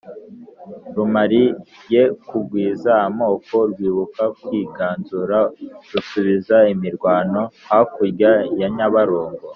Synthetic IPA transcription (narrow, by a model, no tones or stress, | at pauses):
ɾumaɾije̞kubɡwiːzaamo̞ːko̞ɾɡwiːβukakwiːɡaːnzuɾaɾusuβizaimiɾɡwaːno̞hakuɾɟajaɲaβaɾoːŋɡo